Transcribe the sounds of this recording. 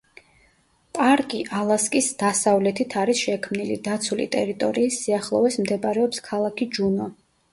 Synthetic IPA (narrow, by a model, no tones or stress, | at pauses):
pʼaɾkʼiʔalˠaskʼisd̪̥asavlɛt̪ʰit̪ʰaɾisʃɛkʰmnilḭd̪at̪sʰulḭt̪ʼɛɾit̪ʼɔ̰ɾiːsːiaχlˠɔvɛsmd̪ɛbɾɛɔpskʰalˠakʰid͡ʒunɔ